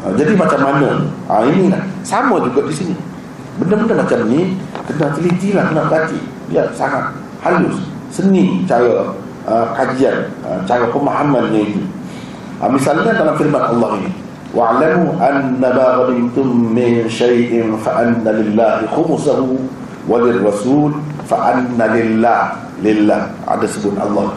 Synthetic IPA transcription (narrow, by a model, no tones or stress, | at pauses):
əd͡ʒadimat͡ʃamːanəa̰inilahsaməd͡ʒuɡaʔdisini | bəndəbəndəmat͡ʃamnikənat̪əlit̪ilahkənaʔbəɡat̪ḭ | dḭaʔsaŋat̪̚ | halʊs | sənit͡ʃaɾa | əkad͡ʒianə̰t͡ʃaɾapəmaɦamanɲait̪u | ʔa̰misalinakalamfiɾmanʔa̰lˤːaːhini | wʔaʕlamuʔanːamaːɣamimt̪ʊmːɪnʃajʔɪnfaʔanːalɪlːaːhixʊmusahu | walɪrːɑsuːl | faʔanːalɪlːah | lɪlːah | a̰dasubunʔa̰lˤːɑːh